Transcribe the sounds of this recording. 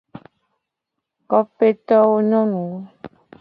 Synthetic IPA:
kɔ˦pe˦t̪ɔ˦wo˦ɲɔ̃˦nũ˨o˦

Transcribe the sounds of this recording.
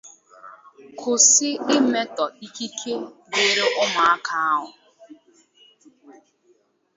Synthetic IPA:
kʰʊ˨sɪ˦ɪ˦me˦tɔ˨i˦ki˦kʰe˦be˨ɾe˦ʔʊ˦ma˨a˦ka˦a˦ɦʊ˨

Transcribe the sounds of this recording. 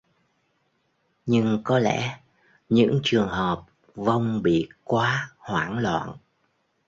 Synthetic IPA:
ɲɨ˧ŋkɔ˨˦lɛ̰˧˥ | ɲɨ̰˧˥ŋt͡ɕɨ˨˩əŋɦəː˨˩p̚ | və˧wŋ͡mɓḭ˧˨kwaː˨˦hwaː˧˩ŋlwa̰ː˧˨n

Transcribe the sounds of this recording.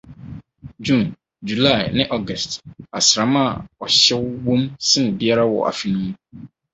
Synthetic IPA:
d͡ʑũ˦˨n | d͡ʑu˨la˦˨ɪ˨nɪ̃˦ʔɔ˨ɡɛ˨sta˨sɾa˨mã˦˨ɔ˨ɕɪ˦wwõ˦msɪ̃˦n˨bi˦a˦ɾa˦wɔ̰˨ʔa̰˨fi˨nũ˦m˦

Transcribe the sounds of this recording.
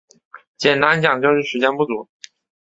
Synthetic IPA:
t͡ɕjɛ˨˩nt̪a˥nt͡ɕjɑ˨˩ŋt͡ɕjŋʂɻ̩˥˩ʂɻ̩˧˥t͡ɕjɛ˥npu˥˩t͡su˧˥

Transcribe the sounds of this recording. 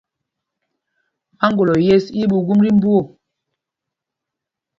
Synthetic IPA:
a˦ŋ˦ɡo˨lo˨je˦si˦ɓu˨ɡu˦mɾi˦m˦bu˦o˦˨

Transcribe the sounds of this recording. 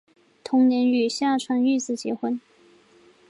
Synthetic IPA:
t̪ʰʊ˧˥ŋnjɛ˧˥ny˨˩ɕja˥˧ʈ͡ʂʰwa˥ny˥˧t͡sɹ̩˥˩t͡ɕjɛ˧˥xwə˥˧n

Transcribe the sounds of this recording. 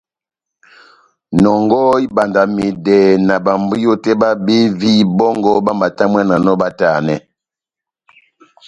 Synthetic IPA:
nɔ˨ŋɡɔ˦i˦ba˨nda˨mi˨dɛ˨na˨ba˨mbu˦jo˦tɛ˦ba˦bi˦vi˦bɔ˦ŋɡɔ˦ba˦mba˨ta˦mwɛ˦na˨nɔ˦ba˦ta˨nɛ̰˨

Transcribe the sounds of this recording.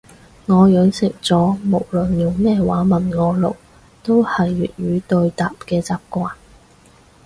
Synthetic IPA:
ŋɔː˨˧jɵ˨˥ŋsɪ˨˩ŋ̚t͡sɔː˨˥mo˨˩w̚lɵ˨njʊ˨ŋmɛː˥waː˨˥mɐ˨˩nŋɔː˨˧lo̰˨w̚ | t̪o˥whɐ˨jːy̰ː˨t̚jyː˨˧t̪ɵ˧ɥt̪aː˨p̚kɛː˧t͡saː˨p̚kʷaː˧n

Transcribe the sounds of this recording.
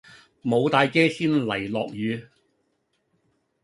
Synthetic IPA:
mo˨˧wt̪aː˨˧jkɛː˥siː˥nlɐ˨˩jlɔː˨k̚jyː˨˧

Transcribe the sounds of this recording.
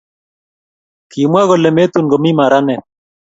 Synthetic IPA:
ki˨mwa˦ɣo˨le˨me˦t̪unɡɔ˨mi˦ma˨ɾanɛ˨

